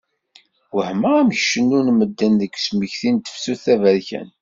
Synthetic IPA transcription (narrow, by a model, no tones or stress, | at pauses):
wəhməʁæmçʃənːunməd̪ːænðəkːsməçθint̪ə̥fsuθævəɾçæ̰n